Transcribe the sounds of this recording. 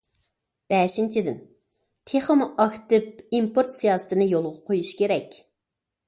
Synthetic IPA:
b̥ɛʃint͡ʃʰid̪ɪn | t̪ʰeχəmʔɑkt̪ɨp̚impoɾt̪sijɑːsɨ̥t̪ʰɨnɨjolˠʁɑqʰojuʃkʲeɾɛkʲ

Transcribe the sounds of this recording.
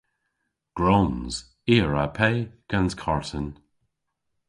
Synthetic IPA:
ɡ̥ɹoːnz̥ | iːəɹa̰pʰeːɡ̥anzkʰaɹtən

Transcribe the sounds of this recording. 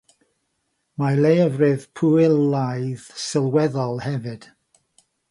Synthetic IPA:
malejəvrɪðpʰuɪlˠːajðsɪlˠwɛðɔlˠhɛvɨd̥

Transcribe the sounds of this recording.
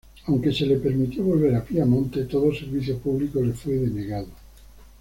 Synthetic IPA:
awŋke̞se̞lepe̞ɾmit̪joβolβ̞eɾapiamõnt̪et̪oðoseɾβiθjopuβlikolefweðeneɣaðo

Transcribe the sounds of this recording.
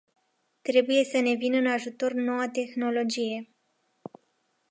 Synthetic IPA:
t̪ɾe̞buje̞səne̞vinəɨnaʒut̪o̞rno̞wat̪e̞xno̞lo̞d͡ʒije̞

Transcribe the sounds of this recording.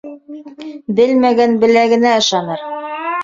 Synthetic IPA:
bɘlmæɡænbɘ̆læɡɘ̆næɤ̆ʃɑnɤɾ

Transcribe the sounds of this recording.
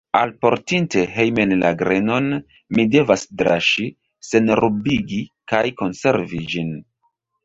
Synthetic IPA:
alpo̞ɾtinte̞ɦejmenlaɡɾe̞no̞n | mide̞vasdɾa̰ʃi | se̞nɾʔubiɡikajko̞nse̞ɾvid͡ʒin

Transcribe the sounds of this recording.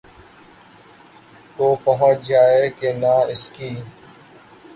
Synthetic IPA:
koːpəɦə̃t͡ʃd͡ʒaːeːkeːnaːɪskiː

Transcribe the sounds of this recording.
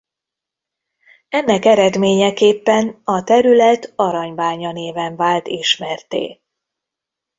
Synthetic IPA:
ɛnːɛkɛɾɛd̪meːɲɛkeːpːɛnɒt̪ɛɾylɛt̪ɒɾɒɲbaːɲɒneːvɛɱvaːlt̪iʃmɛrt̪ḛː

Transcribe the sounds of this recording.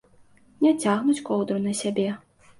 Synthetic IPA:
nʲɛt͡sʲaɣnut͡sʲkɔwd̪ɾunɐsʲabʲɛ

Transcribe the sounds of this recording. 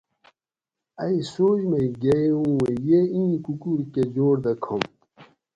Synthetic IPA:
ɐisoːd͡ʑmeiɡeũwejeĩːkukuɾked͡ʑoːɾd̪ɐkʰom

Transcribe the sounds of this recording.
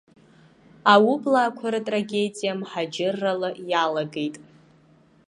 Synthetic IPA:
awublaːkʷʰaɾɨtʼraɡʲe̞dijamħad͡ʒɪrːalɨjalaɡejtʼ

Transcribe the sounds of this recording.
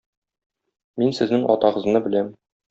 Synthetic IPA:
minsɘ̆znɘŋʔɒ̰t̪ɑʁɤ̆znɤbɘ̆læm

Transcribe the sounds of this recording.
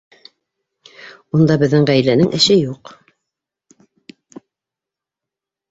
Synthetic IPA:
und̪ɑbɘ̆ðːɘŋʁæjlænɘŋʔɘ̆ʃɘjuq

